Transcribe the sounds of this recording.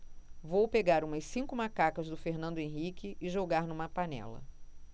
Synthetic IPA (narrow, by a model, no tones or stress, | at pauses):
vowpeɡaɾũmɐssĩŋkʊmakakɐzd̪ʊfeɾnɐ̃nd̪ʊẽɦikɪɪʒoɡaɾnũmɐpanɛ̰lɐ̰